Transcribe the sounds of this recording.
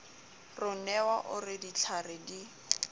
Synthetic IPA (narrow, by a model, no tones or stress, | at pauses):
rʊnɛwaʔʊrɪdit͡ɬʰaɾɪdi